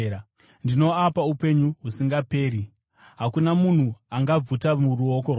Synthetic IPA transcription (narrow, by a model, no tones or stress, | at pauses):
ndino̞apaupe̞ɲuɦusiŋɡape̞ːɾi | ɦakunamun̤uaŋɡab͡vutamuruoko̞rw